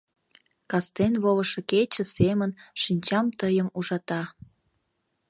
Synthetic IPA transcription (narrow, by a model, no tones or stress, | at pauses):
kɑst̪enβoβəʃɤ̆ket͡ɕə̆semənʃinʲt͡ɕɑmt̪əjəmuʒɑt̪ɑ